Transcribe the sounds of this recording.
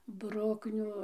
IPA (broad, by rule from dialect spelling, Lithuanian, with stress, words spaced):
ˈbrʊknʲʊ